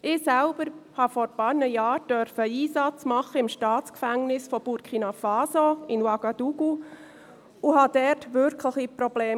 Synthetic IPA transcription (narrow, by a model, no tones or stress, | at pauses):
ʔɪːsælb̥əɾhɑfɔɾpɑːɾnəjɑːɾd̥œɾfəiːsɑt͡smɑχəɪmʃtɑːt͡skfæŋnɪsfɔb̥uɾkʰinɑfɑːsoɪnwɑɡɑd̥uɡu | uɦɑd̥ɛtʋʏɾkʰləχipɾɔb̥leː